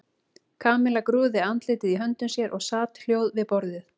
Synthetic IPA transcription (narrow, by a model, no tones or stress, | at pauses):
kʰaːmɪlakɾuːðɪant̪lɪːt̪ɪðiɦœnt̪ʏmsjɛɾʔɔɣsaːt̪l̥joːwðvɪðpɔɾðɪθ